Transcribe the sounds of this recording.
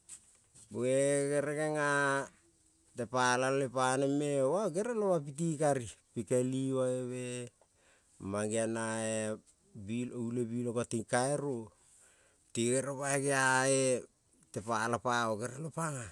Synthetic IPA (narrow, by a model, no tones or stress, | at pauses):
boeɡeɾeɡeŋa | tepalallepanemewaɡeɾalowap̬it̬ikaɾipikeliwaeβe | maɡianae | biloulebilokotiŋkaeɾo | tiɡeɾopaeɡeae | tepalapaoɡeɾalopaŋa